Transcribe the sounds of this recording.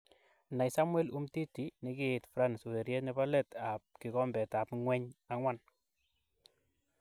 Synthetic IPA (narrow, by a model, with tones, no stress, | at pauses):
na˨jsa˦mwɛ˦lu˦mti˦ti˨nɪ˦kɪː˦˨tfɾa˦nsu˨e˨ɾje˦nibɔ˦lɛ˦ta˨p̚kɪ˨kɔ˦mbɛ˨ta˨pŋwɛ˦ɲa˦ŋwa˦n